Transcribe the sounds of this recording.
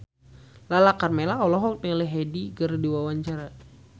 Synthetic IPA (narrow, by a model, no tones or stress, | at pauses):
lalakarmelaɔlɔɦɔk̚lɛɦɛdiɡərdiwawaɲt͡ʃaɾa